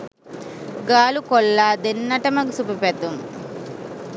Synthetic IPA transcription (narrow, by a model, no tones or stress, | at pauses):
ɡaːlukɔlːaːd̪enːɐʈɐmɐɡusupipet̪um